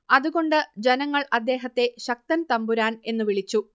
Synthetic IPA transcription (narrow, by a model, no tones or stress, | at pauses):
ɐðuɣo̞ɳɖɨd͡ʑenɐŋːɐɭʔɐd̪ːe̞ːɦɐt̪ːe̞ɕɐk̚t̪ɐnt̪ɐmbuɾaːne̞nːɨʋiɭit͡ɕːu